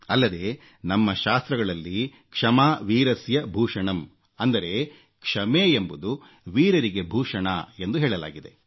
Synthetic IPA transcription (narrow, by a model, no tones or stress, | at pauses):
ɐlːɐd̪e̞ | nɐmːɐʃaːst̪ɾɐɡɐɭɐlːi | kʂɐmaːʋiːɾɐsjɐbʱuːʂɐɳɐm | ɐnd̪ɐɾe̞ | kʂɐmeːembud̪u | ʋiːɾɐɾiɡe̞bʱuːʂɐɳɐ̰e̞nd̪uɦeːɭɐla̰ːɡid̪e̞̰